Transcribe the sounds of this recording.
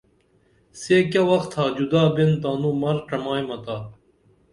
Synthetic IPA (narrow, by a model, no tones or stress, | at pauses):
sekɐwɐxt̪ʰaːd͡ʑud̪aːbent̪aːnuːmɐɾʈɐmaːjmɐt̪aː